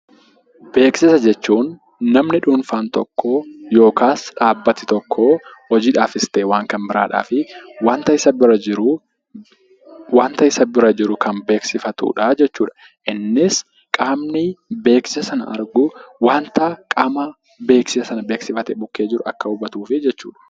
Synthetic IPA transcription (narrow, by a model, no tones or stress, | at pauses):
be̞ːksɪsɐd͡ʒɛt͡ʃːuːnː | ɐmnɪᶑuːnfaːnt̪ɔkʰːoːjo̞ːkaːsᶑaːbːɐt̪ɪt̪ɔkʰːoːhɔd͡ʒiːᶑaːfɪst̪eːwaːŋkɐnbɪɾa̰ːᶑa̰ːfɪwaːnt̪ɐɪsɐbɪɾɐd͡ʒɪɾʊ | waːnt̪ɐɪsɐbɪɾɐd͡ʒɪɾʊkɐnbe̞ːksɪfɐt̪ṵːᶑɐd͡ʒɛt͡ʃːuːᶑɐ̥ | ʔɪnːɪs | kʼaːmnɪbe̞ːksɪsɐsɐnɐ̰ʔɐ̰ɾɡʊwaːnt̪ɐkʼɐmɐ | be̞ːksɪsɐsɐnɐbeːksɪfɐt̪ɛbʊkːe̞ːd͡ʒɪɾʊɐ̰kːɐʊbɐt̪uːfɪd͡ʒɛt͡ʃːuːᶑɐ̥